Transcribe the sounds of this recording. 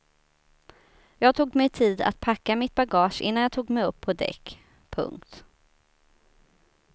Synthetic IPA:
jɑːɡt̪ʰuːɡmɛjt̪ʰiːd̪a̰t̪̚pʰakːamɪt̪̚baɡɑːʂʔɪ̰nːanjɑːt̪ʰuːɡmɛjɵpʰːɔd̪ɛ̰kː | pʰɵ̰ŋkt̪

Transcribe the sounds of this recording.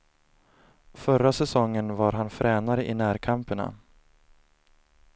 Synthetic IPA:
fœɾːasɛsɔŋːənvaɾɦanfɾɛːnaɾəʔɪnæːɾkʰampəɳa̰

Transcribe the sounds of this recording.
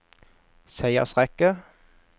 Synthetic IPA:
sæɪə̰sʁɛkə

